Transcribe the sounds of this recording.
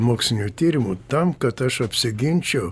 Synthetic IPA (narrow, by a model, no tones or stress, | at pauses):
moːksʲlʲɪnʲuːt̪ʲiːɾʲɪmut̪ɐmkɐt̪ɐʃɐpʲsʲɪɡʲɪnʲt͡ʃʲɛʊ